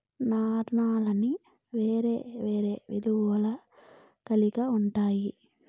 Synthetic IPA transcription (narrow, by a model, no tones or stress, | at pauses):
naːɾnaːlɐni | ʋeːɾḛːʋeːɾeːʋid̪uʋɐlɐ | kɐlikɐuɳʈaːji